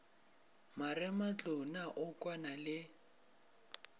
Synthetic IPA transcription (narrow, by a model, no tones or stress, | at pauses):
marɪmat͡ɬʼʊnaʔʊkʼwanalɪ